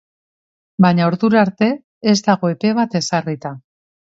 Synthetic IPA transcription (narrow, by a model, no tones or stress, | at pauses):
baɲaoɾðuɾaɾt̪e̞ | ezd̪aɣo̞e̞pe̞β̞at̪e̞sarit̪a